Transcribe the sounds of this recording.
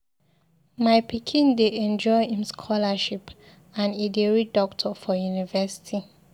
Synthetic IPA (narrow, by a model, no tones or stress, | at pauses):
maɪpikʰĩndeɛ̃nd͡ʒɔɪĩmskʰɔlaʃip | ãnideɹidɔktʰɔfɔjunivɛsi̥tʰi